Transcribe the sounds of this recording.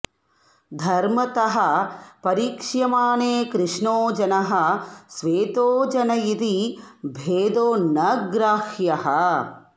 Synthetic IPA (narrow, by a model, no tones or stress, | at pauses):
d̪ʱɐɾmɐt̪ɐɦɐpɐɾiːkʂjɐmaːneːkɾɪʂnoːd͡ʒɐnɐɦɐsʋeːt̪oːd͡ʒɐnɐjid̪ibʱeːd̪oːnɐɡɾaːʃjɐɦɐ